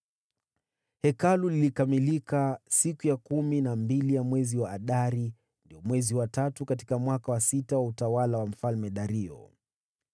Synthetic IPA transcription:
hɛkalulilikamilikasikujakuminambilijamwɛziwaːɗaɾi | ndijɔmwɛziwatatukati̥kamwakawasitawautawalawam̩falmɛɗaɾiɔ̰

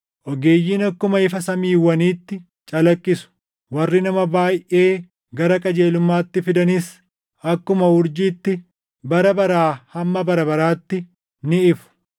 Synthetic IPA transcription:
ʔɔɡeːjːiːnɐkːʊmɐɪfɐsɐmiːwɐniːt̪ːɪ | t͡ʃʼɐlɐkʼːɪsʊ̥ | wɐrːɪnɐmɐbaːjʔe̞ː | ɡɐɾɐkʼɐd͡ʒe̞ːlʊmːaːt̪ːɪfɪd̪ɐnɪs | ɐkːʊmɐhʊɾd͡ʒiːt̪ːɪ | bɐɾɐbɐɾaːhɐmːɐbɐɾɐbɐɾaːt̪ːɪ | nɪɪfʊ̥

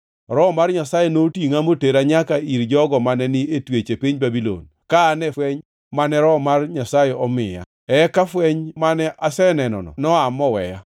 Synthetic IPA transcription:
ɾɔmarɲasajɛnotiŋamoteɾaɲakaiɾd͡ʒɔɡɔmanɛnɪetwet͡ʃepiɲbabilo̰n | kaːnɛfwɛɲ | manɛɾɔmarɲasajɛɔmɪja̰ | ɛkafwɛɲmanɛʔasɛnɛnɔ̰nɔ̰nɔamɔwɛ̰ja

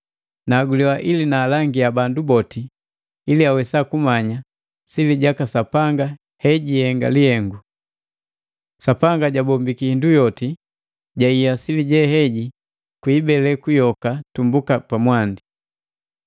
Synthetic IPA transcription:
naːɡuliwaʔilinaːlaŋɡiabandubɔti | iliawɛsakumaɲa | siliɟakasapaŋɡa | hɛɟihɛŋɡa̰lihɛŋɡu | sapaŋɡaɟabɔmbikiindujɔti | ɟaijasiliɟɛɦɛɟi | kwiːbɛlɛkujɔkatumbukapamwandi

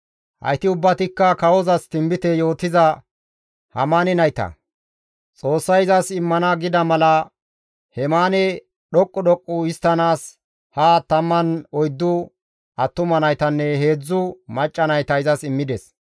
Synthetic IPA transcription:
hɐ̰jt̪ɪʊbːɐt̪ɪkːɐkɐwɔzɐst̪ɪmbɪt̪ɛjo̞ːt̪ɪzɐ | hɐ̰manɪnɐjt̪ɐ̰ | t͡sʼo̞ːsːɐjɪzɐsɪmːɐnɐɡɪd̪ɐmɐlɐ | hɛmaːnɛ | ɗɔkʼːɔɗɔkʼːʊɪst̪ːɐnaːs | hɐt̪ɐmːɐnɔjd̪ːʊ | ɐt̪ːʊmɐnɐjt̪ɐnːɛɦe̞ːd͡zːʊmɐt͡ʃʼːɐnɐjt̪ɐɪzɐsɪmːɪd̪ɛs

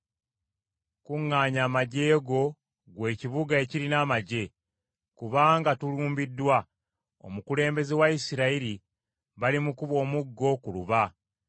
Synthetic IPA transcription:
kuŋːaːɲaːmaɟe̞ːɡo̞ | ɡwe̞ːciβuɡae̞ciɾinaːmaɟe̞ | kuβaːŋɡatuluːmbidːwa | o̰mukule̞ːmbe̞ze̞waisiɾaiɾi | βalimukuβo̞ːmuɡːo̞kuluβa

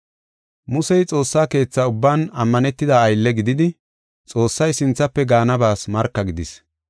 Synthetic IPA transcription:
mʊsɛjt͡sʼo̞ːsːaːke̞ːt͡sːaʊbːaːnɐmːɐnɛt̪ːɪd̪aːjlːɛɡɪd̪ɪd̪ɪ | t͡sʼo̞ːsːɐjsɪnt͡sːɐpːɛɡaːnɐbaːsmɐɾkːɐɡɪd̪ɪs

